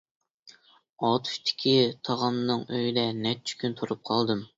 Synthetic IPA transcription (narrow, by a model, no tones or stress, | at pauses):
ɑt̪ʰu̥ʃt̪ʰɪ̥kʲʰit̪ʰɑʁɑmnɨŋøjd̪ɛnɛt͡ʃʰy̥kʲynt̪ʰuɾup̚qʰɑlˠd̪ɨm